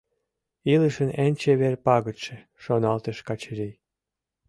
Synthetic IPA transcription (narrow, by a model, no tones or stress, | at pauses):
iləʃənænʲt͡ɕeβerpɑɣə̆t̪ʃĕ | ʃonɑlt̪əʃkɑt͡ɕəɾi